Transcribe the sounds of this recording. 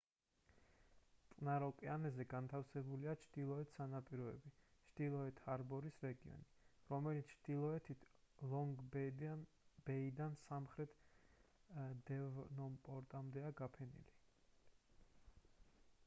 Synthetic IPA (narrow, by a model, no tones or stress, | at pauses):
t̪sʼnaɾɔkʼianɛzɛɡant̪ʰafsɛbuliat͡ʃʰd̪̥ilˠɔɛt̪ʰsanapʼiɾɔɛbit͡ʃʰd̪̥ilˠɔɛt̪ʰaɾbɔɾisɾɛɡiɔ̰niɾɔmɛlit̪sʰt͡ʃʰd̪̥ilˠɔɛt̪ʰit̪ʰ | lˠɔŋɡb | b̥ɛid̪ansamχɾɛt̪ʰ | d̪ɛvnɔmpʼɔɾt̪ʼamd̪ɛaɡapʰɛnḭli